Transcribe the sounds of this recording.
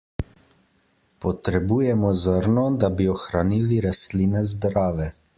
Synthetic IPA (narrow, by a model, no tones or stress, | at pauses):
pɔt̪ɾɛbuːjɛmɔzəɾnɔd̪abiɔxɾaniːliɾast̪liːnɛzd̪ɾaːʋɛ